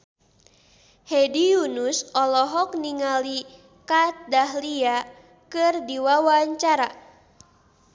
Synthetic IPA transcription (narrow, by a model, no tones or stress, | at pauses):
hedijunusɔlɔɦɔk̚niŋali | kat̪̚dahlia | kɨrdiwawaɲt͡ʃaɾa